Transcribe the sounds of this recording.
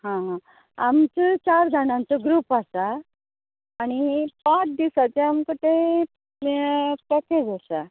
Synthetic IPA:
ɦãɦã | amt͡sət͡ɕaɾd̪ʱanãnt͡səɡɾuːpasaː | ɽ̃ipãt͡sd̪iwsat͡seamkəʈ̪e | pəked͡zasa

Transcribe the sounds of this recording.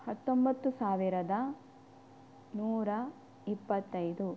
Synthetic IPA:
hɐt̪ːombɐt̪ːusaːʋiɾɐd̪ɐ | nuːɾɐ | ipːɐt̪ːɐjd̪u

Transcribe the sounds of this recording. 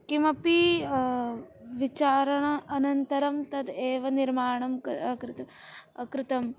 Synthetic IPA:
kimɐpi | ʋit͡ʃaːɾɐɳɐʔɐnɐnt̪ɐɾɐmt̪ɐd̪eːʋɐniɾmaːɳɐmɾt̪ | kɾɪt̪ɐm

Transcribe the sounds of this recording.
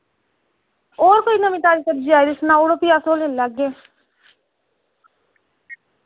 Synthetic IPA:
oːɾkoːiːnəmĩːt̪aːɾiːkəbd͡ʒiaːed̪ɪsnaːʊɽopiaːsoːleləɡeː

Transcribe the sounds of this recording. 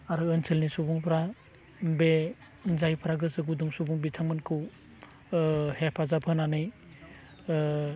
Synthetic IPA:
aɾɯɯnsʰɯlnisubuŋpʰɾa | mbe | nzajpʰɾaɡɯsɯɡuduŋsubuŋbitʰaŋmɯnkʰɯw | hepʰazapʰɯnanɯj

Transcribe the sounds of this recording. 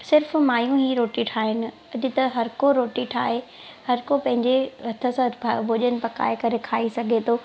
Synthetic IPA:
sɪɾfmaːjũɦiːɾoːʈiʈʰaːɦɪnɪ̆ | ɐʄɪ̆t̪ɐɦɐɾkoɾoːʈiʈʰaːɦe | hɐɾkopɐ̃ɦɪ̃ɲd͡ʑeɦɐt̪ʰə̆sãbʱoːʄənɪ̆pɐka̰ːekɐɾekʰaːisɐɡʱet̪ʰoː

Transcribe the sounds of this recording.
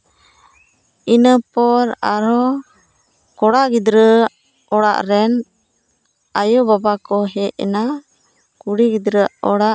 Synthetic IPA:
inəpɔɾaɾɔ | kɔɽaʔɡid̪ɾə | ɔɽa̰ʔɾɛn | ajɔbabakɔɦɛʔɛ̰na | kuɽiɡid̪ɾəɔɽaʔ

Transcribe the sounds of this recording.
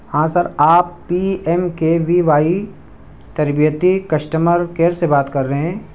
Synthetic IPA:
hãːsɐɾaːpːiɛmkeʋiʋaːi | t̪ɐɾbijət̪ikɐʃʈəməɾkeːɾsebaːt̪kɐɾːeɦɛ̃ː

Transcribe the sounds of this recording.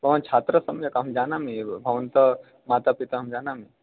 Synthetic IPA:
mɐʋənt͡ʃʰat̪ɾəsɐmd͡ʒekamd͡ʒanamibʱɐʋənt̪ə | mat̪apit̪aɦamd͡ʒanami

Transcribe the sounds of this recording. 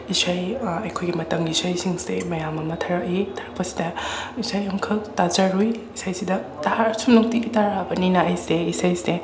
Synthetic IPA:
isajɐjkʰojɡimɐtɐŋisajsiŋsemɐjamɐmɐtʰaɾɐʔetʰaɾɐkpʰːɐsi̥dɐisajɐmkʰɯtazaɾuj | isajsidɐtahaɐsumnoŋtiɡitaɾabɐninaʔajseisajse

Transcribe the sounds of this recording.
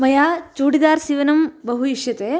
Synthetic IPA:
mɐjaːt͡ʃuːɽid̪aːɾsiːʋɐnɐmbɐɦuiʂjɐt̪eː

